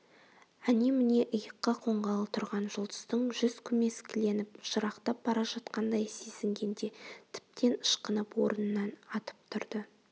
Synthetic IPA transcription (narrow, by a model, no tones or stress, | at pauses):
ænemɪne̞ʔəjəqːɑqʰo̞ɴʁɑlˠət̪ʰʊɾʁɑnʒʊlˠd̪ə̥st̪əɴʒʏz̥kʲʰʏme̞skʲʰɪle̞nɪpʒəɾɑqt̪ɑp̚bɑɾɑʒɑt̪qɑnd̪ɑjsezɪŋɡʲe̞nd̪e̞t̪ʰɪ̥p̚t̪ʰe̞nəʃqənəpwo̞ɾənənːɑnɑt̪ə̥p̚t̪ʰʊɾd̪ə